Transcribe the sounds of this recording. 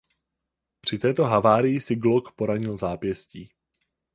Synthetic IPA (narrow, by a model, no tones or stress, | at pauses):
pr̝̥ɪt̪ɛːt̪o̞ɦavaːɾɪjɪsɪɡlokpo̞ɾaɲɪlzaːpjɛsciː